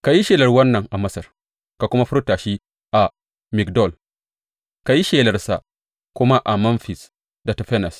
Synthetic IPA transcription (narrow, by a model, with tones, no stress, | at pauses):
ka˨ji˦ʃeː˨lɐ˦rwɐ˦nːɐ˨ŋʔa˨mɐ˦sɐ˨r | ka˨kʷʊ˦ma˦ɸʊ˦ɾtaː˨ʃi˦ | ʔa˨ | mɪ˨kdɔ˦˨l | ka˨ji˦ʃeː˨lɐ˨rsa˨ | kʷʊ˦ma˦ʔa˨mɐ˦nfi˨s | da˨ta˨ɸɛ˦nɐ˨s